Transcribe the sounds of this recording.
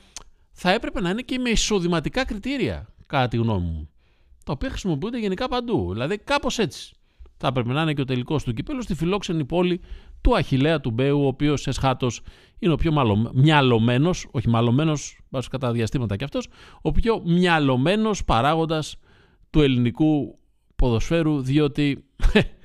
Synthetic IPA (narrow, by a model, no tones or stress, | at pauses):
θɐe̞pɾe̞pe̞nɐine̞ce̞meiso̞ðimɐt̪ikɐkɾit̪iɾiɐ̰kɐt̪ɐt̪iɣno̞̰mḭu | t̪ɐopiɐxɾisimo̞piund̪eʝenikɐpɐnd̪uðilɐðikɐpo̞se̞t͡si̥ | θɐepɾe̞pe̞nɐineceo̞t̪e̞liko̞st̪ucipelost̪ifilo̞kse̞nipo̞lit̪uɐçile̞ɐt̪ube̞uoːpio̞sesxɐt̪o̞s | ineo̞pço̞mɐlomɲɐlo̞me̞no̞so̞çimɐlo̞me̞no̞sbɐskɐt̪ɐðiɐst̪imɐt̪ɐceɐft̪o̞so̞pço̞mɲɐlo̞me̞no̞spɐɾɐɣo̞nd̪ɐs | t̪ue̞liniku | po̞ðo̞sfe̞ɾuðio̞t̪i